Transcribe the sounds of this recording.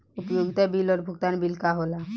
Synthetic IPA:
upjoɡit̪abilɔɾbʱuɡ̚t̪anbilkaɦola

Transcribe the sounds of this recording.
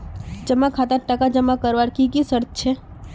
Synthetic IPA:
d͡ʒəmːakʰat̪aʈəkad͡ʒəmːakəɾʋaɾkikisəɾt̪̚ʰt͡ʃʰe

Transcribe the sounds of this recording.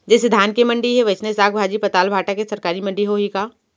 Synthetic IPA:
d͡ʒɛsed̪ʱaːnkemɐ̃ɳɖiɦɛʋɐt͡ʃnesaːɡbʱaːd͡ʒipɐt̪aːlbʱaːʈakesɐɾkaːɾimɐ̃ɳɖiɦoɦikaː

